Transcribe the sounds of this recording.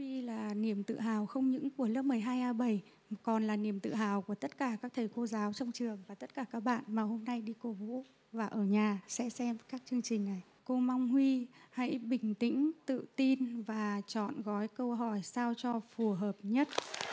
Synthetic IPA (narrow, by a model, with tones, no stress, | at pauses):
i˧laː˨˩ni˧˩əmt̪ɨ̰˧˨ɦaː˨˩wxə˧wŋ͡mɲɨ̰˧˥ŋku˧˩ələ˦˥p̚mɨ˨˩əjɦaː˧jʔaː˧ɓə˨˧˩j | kɔ˨˩nlaː˨˩ni˨˩əmt̪ɨ̰˧˨ɦaː˨˩wku˧˩ət̪ə˦˥t̚kaː˧˩kaː˦˥k̚t̪ʰə˨˩jko˧zaː˨˦wt͡ɕɔ˧wŋ͡mt͡ɕɨ˨˩əŋvaː˨˩t̪ə˦˥t̚kaː˧˩kaː˦˥k̚ɓa̰ː˧˨nmaː˨˩ho˧mna˧jɗi˧ko˧vṵ˧˥ | vaː˨˩ʔəː˧˩ɲaː˨˩sɛ̰˧˥sɛ˧mkaː˦˥k̚t͡ɕɨ˧əŋt͡ɕï˨˩ŋ̟na˨˩j | ko˧ma˧wŋ͡mhwi˧ha̰˧˥jɓï˨˩ŋ̟t̪ḭ̈˧˥ŋ̟t̪ɨ̰˧˨t̪i˧nvaː˨˩t͡ɕɔ̰˧˨nɣɔ˨˦jkə˧wɦɔ˧˩jsaː˧wt͡ɕɔ˧fu˨˩ɦəː˨˩p̚ɲə˦˥t̚